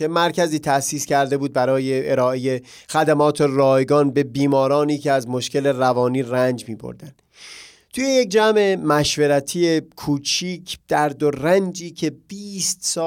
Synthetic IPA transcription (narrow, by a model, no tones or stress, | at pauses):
emæɾcʰæziːt̪ʰæsiːskæɾd̪e̞buːd̪̚bæɾɒːjeeɾɒːeje̞ | xæd̪æmɒːt̪ʰerɒːjɡɒːnbe̞biːmɒːɾɒːniːcʰeæzmo̞ʃke̞le̞rævɒːniːrænd͡ʒmiːbo̰ɾd̪ænd̥̪ | t̪ʰuːje̞jek̚d͡ʒæme̞mæʃve̞ɾæt̪ʰiekʰuːt͡ʃʰiːcʰd̪̥æɾd̪orænd͡ʒiːcʰe̞b̥iːst̪sɒː